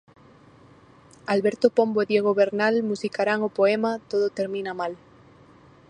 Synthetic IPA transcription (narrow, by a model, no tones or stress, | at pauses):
alβeɾt̪opo̞mboeðjeɣ̞oβeɾnalmusikaɾaŋopoemat̪oðot̪e̞ɾmĩnamal